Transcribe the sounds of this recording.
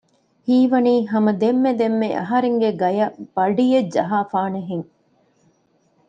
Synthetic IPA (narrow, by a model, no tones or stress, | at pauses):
hiːʋɐniːɦɐmɐd̪emːed̪emːeʔɐ̰ɦɐɾeŋɡeɡɐjɐb̥ɐɖijed͡ʒɐɦaːfaːneɦeŋ